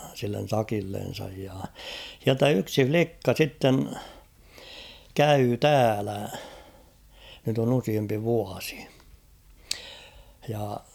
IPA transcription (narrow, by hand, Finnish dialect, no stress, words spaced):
silːen̞ sɑkilːen̞sɑj jɑ h̞iæltæ yksi flikːɑ sitːen kæyː tæːlæ nyt on usiempi ʋuɑsi̥ jɑ